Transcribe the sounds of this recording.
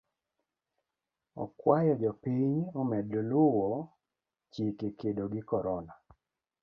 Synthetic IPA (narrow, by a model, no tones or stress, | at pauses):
ɔ̰kwajɔd͡ʒɔpiɲɔmɛdlʊwɔ | t͡ʃekekedoɡɪkɔɾɔna